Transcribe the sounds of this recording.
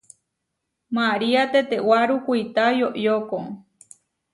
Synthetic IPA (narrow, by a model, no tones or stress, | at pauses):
maɾiat̪et̪ewaɾukʷijt̪ajoʔjoko